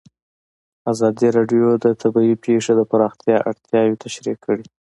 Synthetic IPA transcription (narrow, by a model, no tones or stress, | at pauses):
azɑd̪iɾɑɖjod̪ət̪ʰabɑipʰeʂod̪əpaɾɑxt̪jɑʔaɽt̪ʰjɑjot̪ʰaʃɾikʰːəɽi